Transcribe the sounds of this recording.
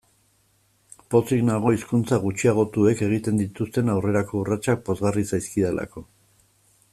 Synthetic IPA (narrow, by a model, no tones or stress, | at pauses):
po̞siɣnaɣ̞o̞iskunt͡saɣ̞ut͡ʃiaɣ̞o̞t̪ue̞ke̞ɣit̪e̞nd̪it̪ust̪e̞nawre̞ɾako̞urat͡ʃak̚po̞zɣarisajskiðelʔa̰ko̞